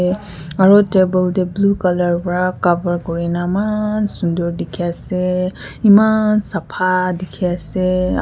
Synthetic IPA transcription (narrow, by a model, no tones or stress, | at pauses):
aɹɔtebɔldɛblukalɔɹpɔɹakabəɹkɔɹinamansũndɔɹdikʰiasɛ | imansapʰadikʰiasɛ